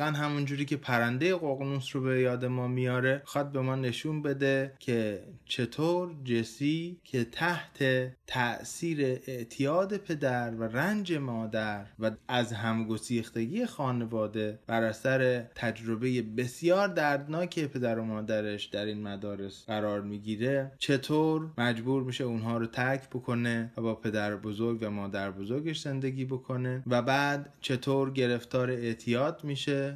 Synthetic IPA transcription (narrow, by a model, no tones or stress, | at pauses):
ænɦæmund͡ʒuːɾiːcʰe̞pʰæɾænd̪e̞jeɣo̞ɣnusɾobejɒːd̪e̞mɒːmijɒːɾe̞xɒːd̪̚be̞mɒːne̞ʃuːnbe̞d̪e̞cʰe̞t͡ʃʰe̞t̪ʰoːɾd͡ʒesiːkʰe̞t̪ʰæht̪ʰe̞t̪ʰæʔsiːɾe̞ʔeʔt̪ʰijɒːd̪e̞pʰe̞d̪æɾværænd͡ʒe̞mɒːd̪æɾvææzɦæmɡo̞siːxt̪e̞ɡije̞xɒːne̞vɒːd̪e̞b̥æɾæsæɾe̞t̪ʰæd͡ʒɾo̞be̞je̞be̞sjɒːɾd̪æɾd̪nɒːcʰe̞pʰe̞d̪æɾo̞mɒːd̪æɾe̞ʃd̪æɾiːnmæd̪ɒːɾe̞sɢæɾɒːɾmiːɟiːɾet͡ʃʰet̪ʰoːɾmæd͡ʒbuːɾmiʃeunɦɒːɾot̪ʰæɾcʰbokʰo̞ne̞væbɒːpʰe̞d̪æɾbo̞zo̞ɾɡvæmɒːd̪æɾbo̞zoɾɡe̞ʃz̥e̞nd̪e̞ɡiːbo̞kʰo̞ne̞væbæːd̪t͡ʃʰe̞t̪ʰoːɾɟe̞ɾe̞ft̪ʰɒːɾeeʔt̪ʰijɒːd̪miːʃe